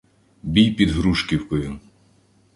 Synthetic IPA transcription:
bʲijpʲid̪ɦɾuʃkʲiwkɔjʊ

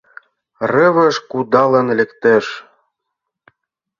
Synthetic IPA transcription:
rɤβə̆ʃkud̪ɑlə̆nlɘ̆kt̪eʃ

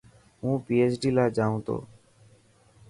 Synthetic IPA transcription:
ũːpiːeːt͡ʃɖiːlaːd͡ʒaːũːt̪o̰ː

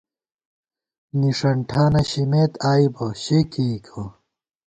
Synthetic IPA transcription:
niʂɐɳʈʰaːnɐɕimeːt̪aːibɐɕekiːkʰɐ

